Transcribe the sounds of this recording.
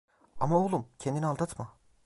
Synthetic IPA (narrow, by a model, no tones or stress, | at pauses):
a̰maolˠumcʰend̪inialˠd̪at̪ma